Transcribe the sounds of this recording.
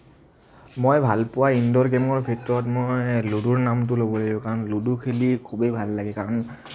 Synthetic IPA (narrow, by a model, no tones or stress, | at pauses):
mojbʱalpʊwaindɔɹɡɛmɔɹbʱitɹɔtmojluduɹnamt̬ʊlobɔladiɔ̃kaɹɔnludukʰilikʰubejbʱalːaɡɛkaɹɔn